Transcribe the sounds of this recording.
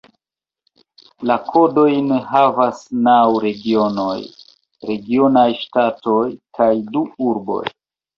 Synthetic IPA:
lakʰo̞do̞jneɦavasnawɾe̞ɡio̞no̞j | ɾe̞ɡio̞najʃtato̞jkʰajduuɾbo̞̰j

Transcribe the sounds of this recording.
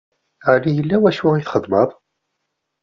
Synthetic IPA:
ʕlijəlːæwæʃʊʁiθχəðˤːməðˤ

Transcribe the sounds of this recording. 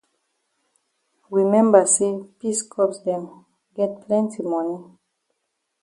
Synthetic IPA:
ɹimɛ̃mbəsepiskʰɔpsdɛ̃m | ɡɛt̚pʰlɛ̃ntimɔ̃ni

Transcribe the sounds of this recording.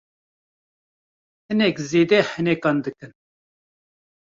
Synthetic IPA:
hɨnɛkzeːd̪ɛhɨnɛkɑːnd̪ɨkɨn

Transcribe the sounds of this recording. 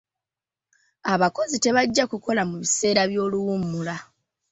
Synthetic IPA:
aβako̞zite̞βaɟːakuko̞lamuβise̞ːɾaβjo̞ːluwumːula

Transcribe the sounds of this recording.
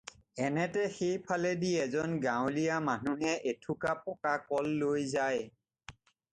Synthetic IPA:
ɛnɛtɛxejpʰalɛdiɛzɔnɡawlijamanuɦɛʔetʰukapɔkakɔlːojzaj

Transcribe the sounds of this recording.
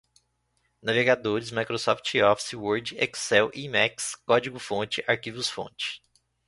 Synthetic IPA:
naveɡad̪oɾɪzmajkɾosɔft͡ʃɔfsɪwoɾd͡ʒɪɛksɛwʔimɛkskɔd͡ʒiɡʊfõt͡ʃɪʔaɾkivʊsfõ̰t͡ʃɪ̥

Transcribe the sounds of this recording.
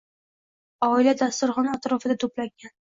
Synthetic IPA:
ɒɪlad̪ast̪ʊɾχɒnaːt̪ɾɒfɪd̪at̪ʰoplaŋɡʲan

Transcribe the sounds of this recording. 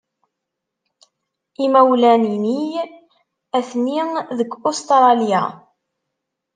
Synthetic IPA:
imæwlænini | æθniðəɡost̪ɾˤɑlja̰

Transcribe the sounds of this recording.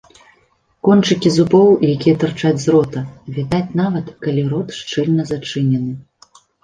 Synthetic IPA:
kɔnt͡ʂɨkʲizupɔwjakʲijɛt̪ɨrt͡ʂad͡zʲzrɔt̪ɐvʲid̪at͡sʲnavɐt̪kalʲiɾɔt̪ʂt͡ʂɨlʲnɐzat͡ʂɨnʲɛnɨ

